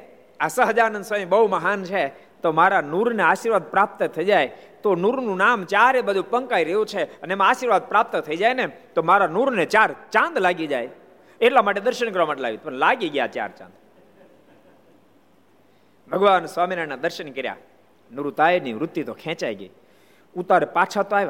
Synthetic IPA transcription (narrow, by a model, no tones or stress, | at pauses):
asəɦəd͡ʒaɾnənswamibəɦuməɦant͡ʃʰe | t̪omaɾanuɾneaʃiɾʋad̪̚pɾap̚t̪ət̪ʰəid͡ʒajt̪onuɾnũnamt͡ʃaɾebəd̪ʱupəŋkaiɾəɦjũt͡ʃʰeəneemãaʃiɾʋad̪̚pɾap̚t̪t̪ʰəid͡ʒajnet̪omaɾanuɾnet͡ʃaɾt͡ʃãnd̪laɡid͡ʒaj | eʈlamaʈ̬ed̪əɾʃənkəɾʋamaːʈela̰ɡit̪pəɳlaɡiɡja̰t͡ʃa̰ɾt͡ʃã̰nd̪ | bʱəɡʋanswʋaminanad̪əɾʃənkəɾja̰ | nuɾut̪aeniʋɾʊt̪ːit̪okʰɛ̃t͡ʃaḭɡə̰i | ũt̪aɾepat͡ʃʰat̪oaeʋ